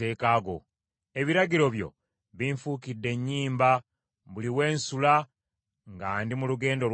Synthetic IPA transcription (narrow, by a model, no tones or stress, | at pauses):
e̞ːkaːɡo̞̰ | e̞βiɾaɟiɾo̞βjo̞̰ | βiɱfuːkidːe̞ɲːiːmba | βuliwe̞ːnsula | ŋɡaːndimuluɡe̞ːndo̞l